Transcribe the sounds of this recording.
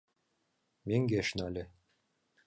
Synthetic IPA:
meŋɡeʃnælʲɘ

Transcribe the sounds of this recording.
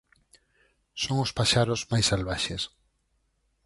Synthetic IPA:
soŋʊspaʃaɾʊzmajsalβaʃes

